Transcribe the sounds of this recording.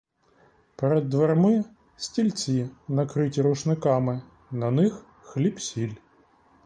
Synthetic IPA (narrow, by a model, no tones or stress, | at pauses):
peɾɛd̪ːʋermɪ | sʲtʲilʲt͡sʲinɐkɾɪtʲiɾʊʃnɪkɑmɪ | nɐnɪx | xlʲipsʲilʲ